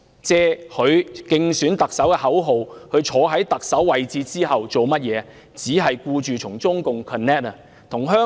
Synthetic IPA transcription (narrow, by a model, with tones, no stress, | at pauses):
t͡sɛː˥hɵ˨˧ɥkɪ˧ŋsyː˨˥nt̪ɐ˨k̚sɐ˨˥wkɛː˧hɐ˨˥wɦo˨whɵ˨˧ɥt͡ʃʰɔː˨˧ɦɐ˨˥jt̪ɐ˨k̚sɐ˨˥wːɐ˨jt͡siː˧t͡siː˥ɦɐ˨wt͡so˨wmɐ˥t̚jɛː˨˧ | t͡siː˨˥ɦɐ˨jkuː˧t͡ʃyː˨t͡sʰʊ˨˩ŋt͡sʊ˥ŋkʊ˨ŋkʰɔ˨nːɛː˥t̚ɐ˨ | t̪ʰʊ˨˩ŋɦœː˥